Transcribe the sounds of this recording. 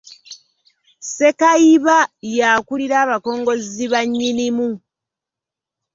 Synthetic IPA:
se̞kaiβajakuliɾaːβako̞ːŋɡo̞ziβaɲːinimu

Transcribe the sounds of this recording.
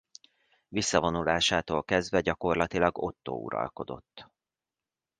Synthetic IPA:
visːɒvo̞nulaːʃaːt̪oːlkɛzd̪vɛɟɒko̞rlɒt̪ilɒɡo̞t̪ːo̰ːṵɾɒ̰lko̞d̪o̞̰t̪ː

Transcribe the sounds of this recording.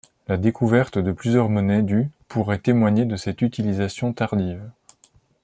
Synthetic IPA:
lad̪ekuvɛʁt̪d̪əplyzjœʁmɔnɛd̪ypʰuʁɛt̪emwaɲed̪əsɛt̪yt̪ilizasjɔ̃t̪aʁd̪iːv

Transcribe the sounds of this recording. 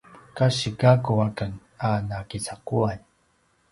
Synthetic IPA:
kaɕiɡakuakən | anakit͡sakuaɲ

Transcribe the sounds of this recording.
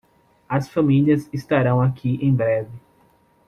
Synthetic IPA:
ɐsfɐ̃miliɐzɪst̪aɾɐ̃w̃akʰiʔẽj̃bɾɛvɪ

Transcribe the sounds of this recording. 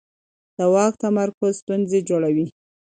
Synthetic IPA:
d̪̥əwɑk̚t̪amaɾkʊzst̪unzed͡ʒoɽawi

